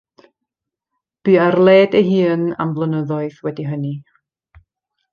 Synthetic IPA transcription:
b̥iːarlˠeːdəɦɨːna̰mblˠənəðɔɨðwɛdiɦəni

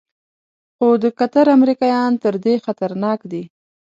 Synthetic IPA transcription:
xod̪əkat̪aɾamɾikɑjɑnt̪əɾd̪exat̪aɾnɑkd̪i

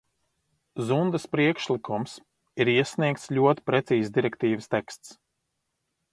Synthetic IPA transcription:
zund̪ɐspɾiɛkʃlˠikʰums | iɾiɛsniɛkt̪slʲuɔt̪i̥pɾɛt̪siːzd̪iɾɛkt̪iːvəst̪ɛkst̪s

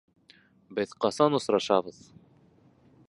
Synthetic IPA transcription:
bɘðqɑsɑnŏsɾɑʃɑbɤð̥

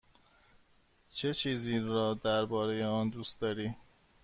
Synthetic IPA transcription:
t͡ʃʰe̞t͡ʃʰiːziːɾɒːd̪æɾbɒːɾe̞jeɒːnd̪uːst̪d̪ɒːɾiː

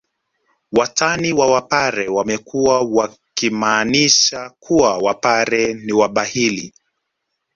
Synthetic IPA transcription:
wataniwawapaɾɛwamɛkʰuawa | kimaːniʃakʰuawapaɾɛniwaɓahilḭ

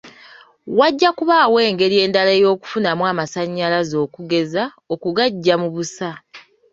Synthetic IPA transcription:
waɟːakuβaːwe̞ːŋɡe̞ɾie̞ːndalejo̞ːku̥funamwaːmasaɲːalazo̞ːkuɡe̞za | o̞kuɡaɟːamuβusa

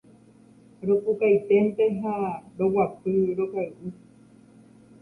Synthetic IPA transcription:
ɾokukajt̪ent̪eɦaɾowapɨɾokajʔɨ

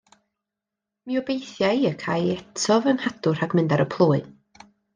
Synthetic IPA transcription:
miɔbejθjajəkʰaːjɛtʰɔvənhadʊr̥aɡmɪndaɾəpʰlˠuːɨ

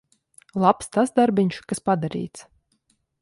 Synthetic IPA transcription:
lˠapst̪asd̪aɾbʲiɲʃkaspad̪aɾḭːt̪s

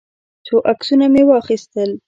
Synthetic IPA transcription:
t͡soʔaksunamewɑxist̪əl

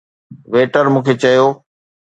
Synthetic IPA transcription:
ʋeːʈəɾmũːkʰet͡ɕɐjoː

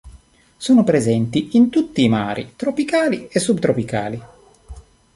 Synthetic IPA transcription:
soːnopɾezɛnt̪iint̪ut̪ːiːmaːɾʔḭt̪ɾopikaːliesːubt̪ɾopika̰ːli

